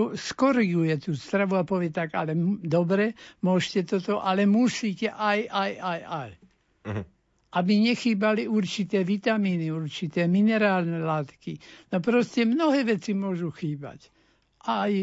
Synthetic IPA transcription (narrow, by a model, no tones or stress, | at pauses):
uskɔɾiɡujɛt̪uːst̪ɾaʋuapɔʋɪɛt̪aɡalɛd̪ɔbɾɛmʊɔʒcɛt̪ɔt̪ɔʔalɛmusiːcɛʔajajʔajaj | ʔabiɲɛxiːbaliuɾt͡ʃit̪ɛːʋit̪amiːniuɾt͡ʃit̪ɛːminɛɾaːlnɛlaːt̪kinɔpɾɔscɛmnɔɦɛːʋɛt͡simʊɔʒuxiːba̰c | ʔaj